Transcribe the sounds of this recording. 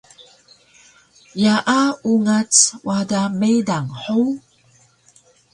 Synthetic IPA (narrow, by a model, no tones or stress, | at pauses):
jaʔauŋat͡swʔadamedaŋħu